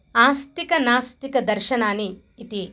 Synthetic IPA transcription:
aːst̪ikɐnaːst̪ikɐd̪ɐɾʃɐnaːniː | t̪i

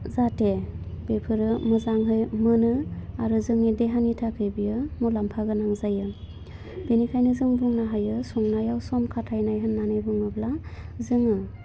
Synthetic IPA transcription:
zatebepʰɯɾɯmɯzaŋɦɯjmɯnɯaɾɯzɯŋideɦanitʰakʰɯjbijɯmulampʰaɡɯnaŋzajɯ | binikʰajnɯzɯŋbuŋnaɦajɯsɔŋnajawsɔnkʰatʰajnajɦɯnːanɯjbɯŋɯblazɯŋɯ

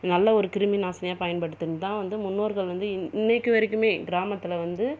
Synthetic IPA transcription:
nɐlːɐɔɾɯkɪɾɯminaːsɐnɐjaːpɐjɐnpɐɽːɯt̪ːɯnːɯt̪ãːʋɐnd̪ɯmʊnːoːɾɣɐɭʋɐnd̪ɯɪɪnːɐkːɯʋɐɾɪkːɯmeːɡɪɾaːmɐt̪ːɪlɐʋɐnd̪ɯ

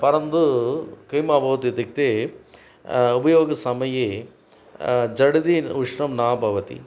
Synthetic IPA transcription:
pɐɾɐnd̪ukɐjmaːbʱɐʋɐt̪it̪ik̚t̪e | ubɐjoːɡɐsɐmɐjeː | d͡ʒɐɽid̪iuʂɳɐmnaːbʱɐʋɐt̪ḭ

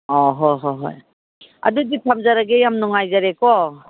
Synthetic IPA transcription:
ɔɦɔɦɔɦɔ̰j | a̰duditʰamzaɾaɡejamnɔŋajzaɾekɔ

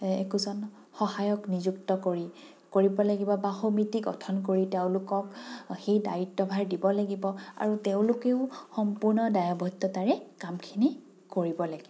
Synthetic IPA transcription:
ɛkuzɔn | xɔhajɔknizuktɔkoɹi | koɹibɔlaɡibɔbaxomitiɡɔ̰tʰɔnkoɹiteʊ̃lʊkɔkxejdajitːɔbʱaɹdibɔlaɡibɔa̰ɹuteʊ̃lʊkeʊxɔmpuɹnɔdajabʱɔtːɔtaɹɛkamkʰini | koɹibɔlaɡibɔ

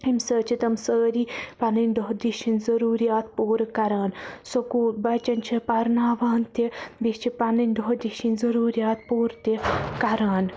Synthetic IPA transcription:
imʲsəːt͡ʃʰit̪ɐmsəːɾipɐnɨnʲd̪oɦd̪iʃinzɐɾuːɾijaːt̪̚poːɾkɐɾaːnsokuːt̪̚bɐt͡ʃɐnt͡ʃʰipɐɾnaːʋaːnt̪ibist͡ʃʰipɐnɐnʲd̪oɦd̪iʃinzɐɾuːɾjaːt̪̚poːɾt̪ikɐɾaːn

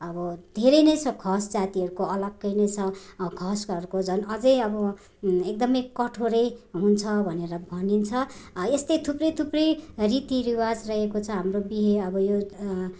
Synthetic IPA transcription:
ʌbʌd̪ʱeɾʌjnʌjt͡sʰʌkʰʌsd͡zat̪iɦʌɾukoʌlʌɡːʌjnʌjt͡sʰʌkʰʌskʌrkod͡zʱʌnʌd͡zʌjʌbʌ | ek̚d̪ʌmʌjkʌʈʰoɾʌjɦunt͡sʰʌbʱʌneɾʌbʱʌnint͡sʰʌest̪et̪ʰuprʌjt̪ʰuprʌjrit̪iɾiwad͡zrʌɦekot͡sʰʌɦamrobiɦeʌbʌjo

